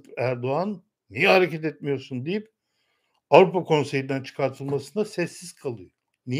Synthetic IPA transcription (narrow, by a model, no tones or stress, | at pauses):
pæɾd̪o̞anː | ijɛhaɾecʰɛt̪ɛt̪̚mijo̞ɾsund̪ijip | avɾupakʰo̞nsejind̪ænt͡ʃʰɯ̥kʰaɾt̪ʰɯlˠmasɯnasɛsːiz̥kʰalˠɯjo | ni